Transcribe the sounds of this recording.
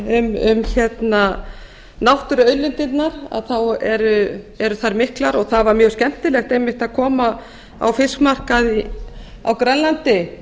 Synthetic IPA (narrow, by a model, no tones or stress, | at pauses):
ʏmʏmçɛt̪na | nawht̪ʏɾœɥlɪnt̪ɪt̪naɾa̰ðθawɛɾʏ | ɛɾʏθaɾmɪhklaɾɔɣθavaɾmjœɣ̥scɛm̥t̪ɪlɛxt̪ejmɪht̪aðkʰɔːma | a̰wfɪskmar̥kaði | a̰wkɾanlant̪ɪ